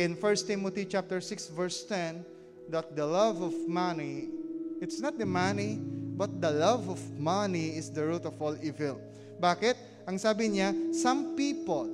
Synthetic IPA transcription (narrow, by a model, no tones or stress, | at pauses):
ɪ̃nfɛɹst̪imot̪it͡ʃap̚t̪əɹsɪksvɛɹst̪ɛ̃n | d̪at̪̚d̪əlavɔvmani | ɪt̪snɔt̪̚d̪əmanibɐt̪̚d̪əlavɔvmaniɪsd̪əɹut̪ɔfɔlivɛl | baːkɪt̪̚ | ʔɐŋsaːbɪɲasãmpipɔl